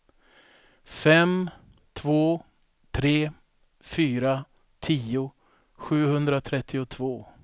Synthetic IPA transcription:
fɛm | t̪ʰvoː | t̪ʰɾeː | fyːɾa | t̪ʰiːʊ | ɧʉ̟ːhɵnd̪ɾat̪ʰɾɛt̪ʰːɪʊt̪ʰvoː

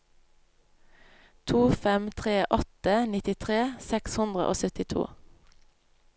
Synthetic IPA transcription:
t̪ʰuːfɛmt̪ʰʁeːʔɔt̪ənɪt̪ɪt̪ʰʁeːsɛkshʉnd̪ʁə̰ʔo̰ːsœt̪ɪt̪ʰṵː

